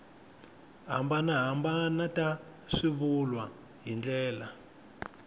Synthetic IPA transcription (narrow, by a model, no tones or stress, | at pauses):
ɦa̰mbanaɦambanatʼaʂiβulwa | ɦind͡ɮɛːla